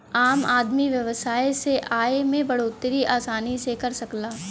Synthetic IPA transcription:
aːmaːd̪miʋjɐʋəsaːeseʔaːemẽbɐɽoːt̪ɾiʔaːsaːnisekɐɾsɐklaː

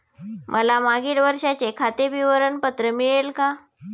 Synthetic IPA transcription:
mʔəlamaɡiːɽʋəɾʂat͡ɕekʰat̪ebiʋəɾəɳpət̪ɾəmiɭelka

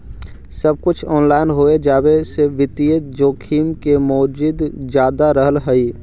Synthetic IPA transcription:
səb̚kʊt͡ʃʰɔːnlaːɪnɦoːed͡ʒaːbeseʋɪt̪ijəd͡ʒoːkʰiːmkemoːd͡ʒɪd̪d͡ʒjaːd̪aɾəɦəlɦəiː

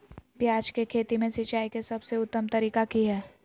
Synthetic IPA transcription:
bjaːd͡ʒkekʰeːt̪imẽsɪt͡ʃaːikesɐbseʊt̪ːəmt̪ɐɾiːkakiɦɛː

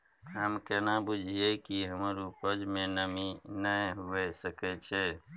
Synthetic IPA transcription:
ɦəmkɛnabud͡ʒʱiekiɦəməɾupəd͡ʒmẽnəminəɦuɛsəkɛt͡ʃʰɛ

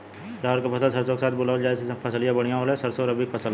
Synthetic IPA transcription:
ɾaɦəɾkapʰɐsəlsəɾsokesaːt̪̚ʰbolaːəld͡ʒaːesepʰɐsəlijabəɽ̤̃ijãɦoːlesəɾsoːɾɐbʱipʰɐsəl

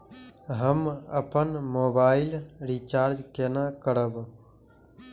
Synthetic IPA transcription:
ɦəmə̰pənmoːbaːɪlɾit͡ʃaːɾd͡ʒkenakəɾəb

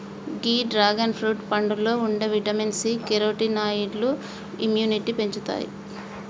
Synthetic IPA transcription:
ɡiːɖɾaːɡɐnpʰɾuːʈpɐɳɖulo̞ːuɳɖɐʋiʈɐminsikeɾoːʈinaːjiɖlu | imjuːniʈipe̞ɲt͡ʃut̪a̰ːjḭ

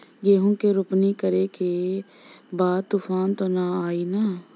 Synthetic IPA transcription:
d͡ʒeːɦũːkeːɾʊpniːkəɾeːkeː | baːd̪̚t̪uːpʰaːnt̪oːnaːaːiːnaː

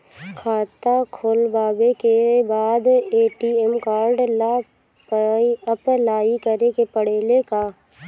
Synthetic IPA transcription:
kʰaːt̪akʰoːlbaːbekebaːd̪eːʈiːɛmkaːɾɖla | piəplaːikəɾekepəɽ̤eːlekaː

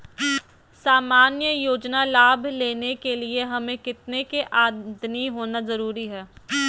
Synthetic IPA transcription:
saːmaːnjəjoːd͡ʒnalaːbʱleːnekelieɦɐmẽkɪt̪nekeʔaːd̪niɦoːnazɐɾuːɾiɦɛː

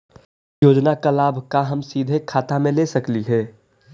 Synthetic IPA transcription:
joːd͡ʒnakalaːbʱkaɦɐmsiːd̪ʱekʰaːt̪amẽlesɐkliɦɛː

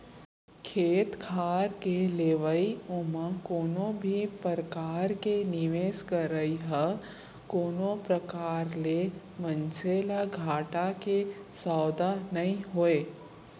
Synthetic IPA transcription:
kʰeːt̪kʰaːɾkeleːʋəiʊmãkoːnõbʱipəɾkaːɾkenɪʋeːskəɾəiɦə | koːnõpɾɐkaːɾle | mə̃nseːlaɡʱaːʈakesaːd̪anɐɦĩɦoːeː

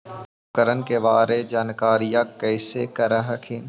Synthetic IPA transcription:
ʊkəɾənkeʋaːɾed͡ʒaːnkaːɾijakɛːsekɐɾəɦɐkʰin

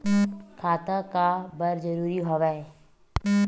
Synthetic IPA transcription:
kʰaːt̪akabəɾd͡ʒəɾuːɾiɦoːʋɛ

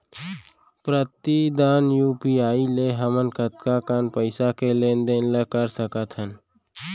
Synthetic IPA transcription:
pɾət̪id̪aːnjuːpiaːileɦəmənkət̪kakaːnpəɪsakeleːnd̪eːnləkəɾsəkət̪ʰɦən

